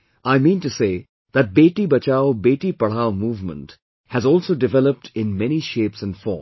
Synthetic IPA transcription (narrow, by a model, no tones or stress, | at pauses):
aɪmĩːnʈuseː | ðæʈ̚beːʈibɐt͡ʃaʊbeːʈipɐɽ̤aːʊmuːvmə̰̃nʈ | hæzɔːlsoːɖɪʋɛləp̚ʈʰɪ̃nmɛniʃeːpsɛ̃nfɔ̰ːm